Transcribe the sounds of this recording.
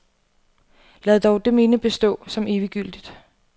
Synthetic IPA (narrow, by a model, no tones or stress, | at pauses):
lɛð̩ˠd̥ɒʊd̥eme̝nəb̥e̝sd̥ɔ̰̽ːsɒ̽me̝ːʋiɡ̥yl̰d̥id̥